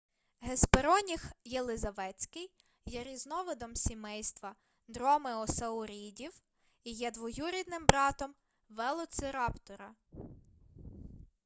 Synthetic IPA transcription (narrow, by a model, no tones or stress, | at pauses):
ɦespeɾɔnʲixjelˠɪzɐʋɛt͡sʲkɪj | jɛɾʲiznɔʋɪd̪ɔmsʲimɛjst̪ʋɐ | d̪ɾɔmɪɔsɐʊɾʲidʲiw | ijɛd̪ʋɔjuɾʲid̪nɪmbɾɑt̪ɔm | ʋɛlˠɔsɪɾɑpt̪ɔɾɐ